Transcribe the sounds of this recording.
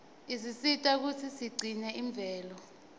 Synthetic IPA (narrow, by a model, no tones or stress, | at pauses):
isisitʼak̬ut͡sʰisiɡ͡ǀʱinɛʔiɱb̪vʱɛːlɔ